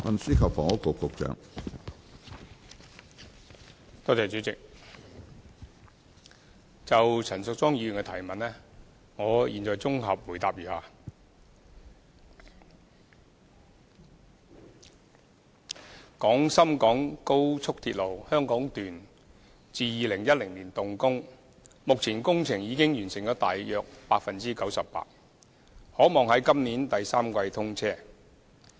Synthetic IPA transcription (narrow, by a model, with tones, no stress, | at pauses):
wɐ̰˨nsiː˥kʰɐ˨p̚fɔ̰ː˨˩ŋɔ˨˥kːʊ˨˧kːʊ˨˧k̚t͡ʃœ̰ː˨˥ŋ | t̪ɔː˥t͡sɛː˨t͡ʃyː˨˥t͡sɪ˨k̚ | t͡sɐ˨wt͡sʰɐ˨˩nsʊ˨k̚t͡sɔː˥ŋjiː˧jnkɛ˧t̪ʰɐ˨˩jmɐ˨nlɛː˥ | ŋɔː˨˧jʔḭː˨nt͡ʃɔː˨jt͡sʊ˥ŋɦɐ˨p̚wuː˨˩jt̪aː˨p̚jyː˨haː˧ | kɔː˨˥ŋsɐ˥mkɔː˨˥ŋko˥wt͡sʰʊ˥k̚t̪ʰiː˧t̚lo˨˩whœː˥ŋkɔː˨˥ŋt̪yː˨n | t͡siː˨˧jiː˨˧lɪ˨˩ŋjɐ˥t̚lɪ˨˩ŋliː˨˩nt̪ʊ˨ŋkʊ˥ŋ | mʊ˨k̚t͡sʰiː˨˩nkʊ˥ŋt͡sʰɪ˨˩ŋjiː˨˧kɪ˥ŋjyː˨˩nsɪ˨˩ŋt͡ʃɔː˨˥t̪aː˨jjœː˨˧k̚paː˧k̚fɐ˨nt͡siː˥kɐ˨˥wsɐ˨pːa̰ː˧t̚ | hɔː˨˥mɔː˨˩ŋhɐ˨˥jkɐ˥mniː˨˥nt̪ɐ˨jsaː˥mkʷɐ˧jt̪ʰʊ˥ŋt͡sʰɛː˥˩